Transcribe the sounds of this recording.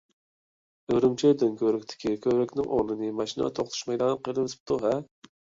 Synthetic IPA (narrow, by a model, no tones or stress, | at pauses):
øɾɪmt͡ʃʰed̪ɪnkʲʰøɾɪkʲt̪ʰɪ̥kʲikʲʰøɾɪkʲnɪŋʔo̰ʁlˠɨnɨmɑʃinɑ̰t̪ʰoχt̪ʰu̥ʃmɛjd̪ɑnqʰelˠɨt̪ʰɪ̥p̚t̪ʰuɦɛ